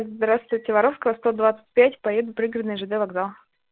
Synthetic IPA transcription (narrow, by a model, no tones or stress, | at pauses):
zd̪ɾast̪vʊjtʲɪvɐɾofskəvəst̪od̪vat̪sɨ̥tʲpʲætʲpɐjed̪ʊpɾʲiɡɾəd̪nɨjʐɨd̪ɛvɐɡzalˠ